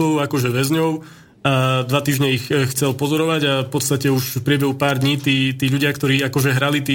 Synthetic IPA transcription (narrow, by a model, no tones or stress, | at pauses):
ɔʊakɔʒɛʋɛzɲɔʊ | ad̪ʋat̪iːʒɲɛixxt͡sɛlpɔzɔɾɔʋaɟafpɔt̪st̪acɛuʃfpɾɪɛbɛɦupaːɾd̪ɲiːt̪iːt̪iːʎuɟɪakt̪ɔɾiːakɔʒɛɦɾalit̪iː